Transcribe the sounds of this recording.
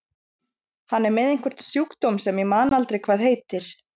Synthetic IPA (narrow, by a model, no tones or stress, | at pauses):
hanːɛɾmɛːðejŋ̥kʰvɛɾ̥t̪sjukt̪owmsɛmimaːnalt̪ɾejkʰvaːðɦeːjt̪ɪɾ̥